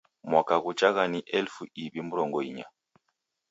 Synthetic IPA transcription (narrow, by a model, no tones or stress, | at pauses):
mwakaɣut͡ʃaɣaniʔɛlfuiβimuɾɔŋɡɔiɲa̰